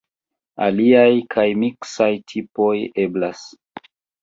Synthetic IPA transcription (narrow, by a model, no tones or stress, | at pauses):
a̰liajkʰajmiksajtʰipo̞je̞blas